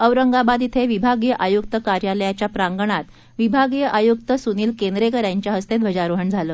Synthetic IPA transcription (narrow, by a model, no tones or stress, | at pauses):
əʋɾəŋɡabad̪it̪ʰeʋibʱaɡjəʔajuk̚t̪əkaɾjaləjat͡ɕjapɾaŋɡəɳ̃at̪ | ʋibʱaɡjəʔajukt̪əsuniːlkend̪ɾekəɾjaɲt͡ɕjaɦəst̪ed̪ʋəd͡ʑaɾuɦəɳd͡zʱaləː